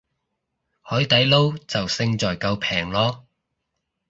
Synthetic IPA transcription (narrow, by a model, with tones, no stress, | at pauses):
hɔː˨˥jt̪ɐ˨˥jlo˥wt͡sɐ˨wsɪ˧ŋt͡sɔː˨˩jkɐ˧wpʰɛː˨˩ŋlɔː˥